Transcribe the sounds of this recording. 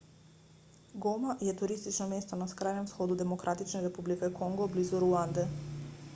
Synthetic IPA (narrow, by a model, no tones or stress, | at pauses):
ɡɔmajɛt̪uɾist̪it͡ʃnɔmɛst̪ɔnaskɾajnɛmfsxɔd̪ud̪ɛmokɾʔat̪it͡ʃnaɾɛpublikɛkʰɔŋɡoblizuɾuand̪ɛ